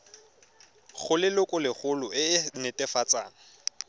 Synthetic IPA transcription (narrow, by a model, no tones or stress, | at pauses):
χʊlɪlʊkʼʊlɪχʊlʊʔɪnɛtʼɛfat͡sʼa̰ːŋ̩